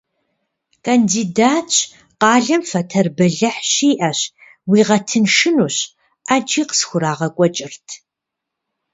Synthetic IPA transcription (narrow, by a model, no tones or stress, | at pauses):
kʰandiːdaːtt͡ʃʼ | qɑːɮɐmfɐtʰɐrbɐɮɐħɕiːʔɐɕ | wiːʁɐtʰɨnʃɨnuːɕ | ʔad͡ʒʼiːqə̥sxʷʊɾaːʁɐkʷʼɔt͡ʃʼɪrtʰ